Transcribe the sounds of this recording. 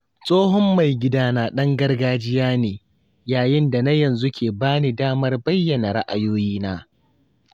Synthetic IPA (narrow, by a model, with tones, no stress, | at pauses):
sʼoː˦ɦɔ˦mːa˨jɡʲɪ˦daː˦naː˨ɗɐ˦ŋɡɐ˦rɡaː˦d͡ʒɪ˦jaː˦neː˨ | jaː˨jɪ˦nda˨na˦jɐ˨nzu˦kʲʰeː˨baː˦niː˨daː˦mɐ˦rbɐ˦jːɐ˨na˨ɾa̰˦ʔa˨joː˦jiː˦naː˦